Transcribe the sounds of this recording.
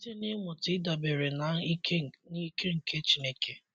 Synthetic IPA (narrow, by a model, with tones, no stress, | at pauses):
te˦ne˦mʊ˨tɪ˨˦da˨be˨ɾe˨na˨˦ni˦ke˦ŋ̩˨ke˦t͡ʃi˨ne˦ke˦